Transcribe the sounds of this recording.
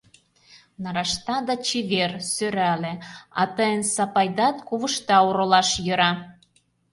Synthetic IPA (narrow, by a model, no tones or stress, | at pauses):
nɑɾɑʃt̪ɑd̪ɑt͡ɕiβersøɾælĕɑ̰t̪əjənsɑpɑjd̪ɑt̪kuβəʃt̪ɑuɾɤ̆lɑʃjø̆ɾɑ